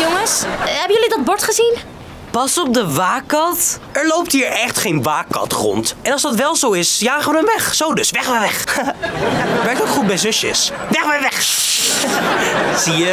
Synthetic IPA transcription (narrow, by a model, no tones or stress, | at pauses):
joŋəsɦɛbənjølidɑd̚bɔɹtχəzin | pɑsɔp̚dəʋaːkːɑtɛɹlowp̚tɦiːɹɛχtχejnʋaːkːɑ̰tχrɔ̰ntɛnɑlˠzdɑtʋɛlˠzowɪsjaːχəʋədɔnʋɛχsowdɵsʋɛχʋɛʋɛχ | ʋɛɹk̚towkχut̚bɛjzøsə̰s | ʋɛχʋɛʋɛχ | zijə